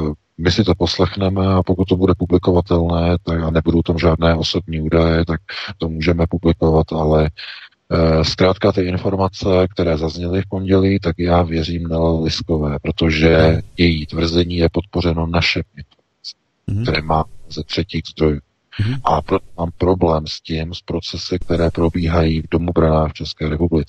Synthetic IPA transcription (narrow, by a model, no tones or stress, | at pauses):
mɪsɪt̪o̞po̞slɛxnɛmɛapokut̪tːobudɛpublɪko̞vat̪ɛlnɛːt̪akanɛbudowt̪amʒaːdnɛːʔo̞so̞bɲiːuːdajɛt̪ak̚t̪o̞muːʒɛmɛpublɪkovat̪ʔalɛ | skɾaːt̪kat̪ɪɪnfo̞ɾmat͡sɛk̚t̪ɛɾɛːzazɲɛlɪfpo̞nɟɛliːt̪akjaːvjɛɾiːmnalɪsko̞vɛːpɾo̞t̪o̞ʒɛjɛjiːt̪vr̩zɛɲiːjɛpo̞t̪̚po̞r̝ɛno̞naʃɛmɪnfoɾmmat͡sɪ | k̚t̪ɛɾɛːmaːmɛzɛt̪r̝̥ɛciːɣzd̪ɾo̞juː | ʔapɾo̞t̪omaːmpɾo̞blɛːmscɪmspɾo̞t͡sɛsɪk̚t̪ɛɾɛːpɾo̞biːɦajiːvdo̞mubɾanaːxft͡ʃɛskɛːɾɛpublɪt͡sɪ̥